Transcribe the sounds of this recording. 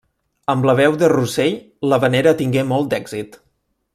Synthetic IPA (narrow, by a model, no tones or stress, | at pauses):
əmbləβ̞ɛwðərusej | ləβəneɾət̪iŋɡemɔlˠt̪d̪ɛɡz̥it̪